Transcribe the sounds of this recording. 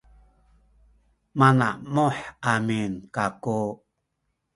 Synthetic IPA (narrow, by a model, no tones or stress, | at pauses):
manaʔmoħaminkaku